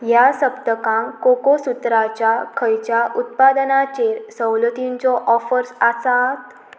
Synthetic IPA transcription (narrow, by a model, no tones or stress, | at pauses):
jasəpt̪əkãŋkokosut̪ɾat͡ɕjakʰəjt͡ɕjaʔut̪̚pad̪nat͡ɕeɾsəwlət̪iɲt͡sɔʔɔfəɾsasat̪